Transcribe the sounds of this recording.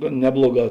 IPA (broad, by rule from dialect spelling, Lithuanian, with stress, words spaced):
ɡɐn ˈnʲæːblˠoːˌɡɑː